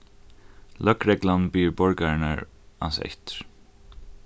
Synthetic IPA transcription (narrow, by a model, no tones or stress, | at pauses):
lʔœkɾɛɡlanbiːɹbɔɹɡaɹna̰ɹ | ɑ̰nsɛ̰ht̪